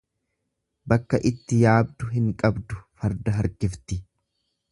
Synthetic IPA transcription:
bɐkːɐʔɪt̪ːɪjaːb̚d̪ʊɦɪŋkʼɐbd̪ʊfɐɾd̪ɐɦɐɾkɪft̪ɪ

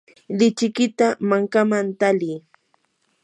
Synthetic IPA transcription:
lɪt͡ʃɪkɪt̪amaŋkamant̪aliː

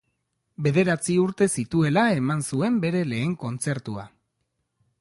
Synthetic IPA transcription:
be̞ðe̞ɾat͡siuɾt̪e̞sit̪ue̞lae̞mansue̞mbe̞ɾe̞le̞ːŋko̞nt͡se̞ɾt̪ua̰

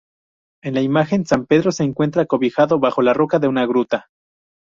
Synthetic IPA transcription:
e̞nlaimaxe̞nsampe̞ðɾose̞ːŋkwe̞nt̪ɾakoβixaðoβaxo̞laro̞kaðe̞unaɣɾut̪a

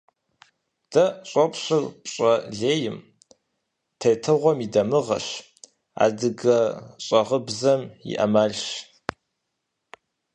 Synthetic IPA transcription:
d̥ɐɕʼɔpʰʼɕɨrpʼɕʼɐɮeːjɪm | tʰejtʰɨʁʷɔmidɐmɨʁɐ̰ɕ | a̰ːdɨɡɐɕʼɐʁəbzɐmḭʔɐmaːɮʃ

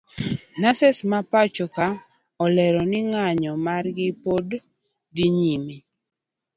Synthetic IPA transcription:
nasɛsmapat͡ʃɔka | ɔlɛɾɔnɪŋaɲɔmarɡɪpod | diɲimi

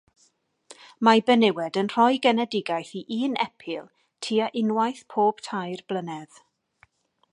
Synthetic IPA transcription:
mabɛnɪwɛdənr̥ɔjɡɛnɛdɪɡajθiʔiːnɛpʰɪlˠ | tʰiːaʔɪnwajθpʰoːb̥tʰajrblˠənɛð̥

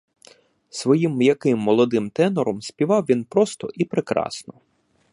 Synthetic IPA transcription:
sʋɔjimjɐkɪmːɔlˠɔd̪ɪmt̪ɛnɔɾɔmsʲpʲiʋɑwʋʲinpɾɔst̪ɔʔipɾekɾɑ̰snɔ

